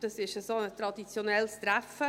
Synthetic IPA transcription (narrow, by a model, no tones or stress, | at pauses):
d̥ɑsɪʃəsoːət̪ɾɑdit͡sjonɛlst̪ɾæfə